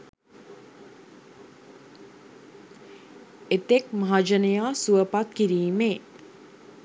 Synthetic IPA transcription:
et̪ek̚maɦad͡ʒənəjaːsuəpat̪̚kiɾiːme

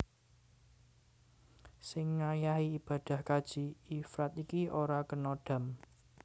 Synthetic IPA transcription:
sɪŋːajaɦiib̥ä̤d̪̥a̤hkad̥ʒ̥iifɾat̪ikioɾakənoɖ̥a̤m

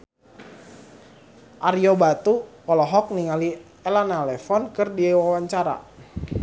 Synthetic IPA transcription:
ʔaɾijɔbat̪u | ɔlɔɦɔk̚niŋali | ɛlanalɛfɔnkɨrdiewawaɲt͡ʃaɾa̰

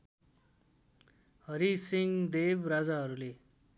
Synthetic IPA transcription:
hʌɾisiŋd̪ebrad͡zaɦʌɾule

